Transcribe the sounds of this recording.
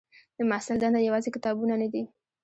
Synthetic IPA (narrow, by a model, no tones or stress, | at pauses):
d̪̥əmasɪld̪ɑnd̪ajawɑzekɪt̪ɑbunanad̪i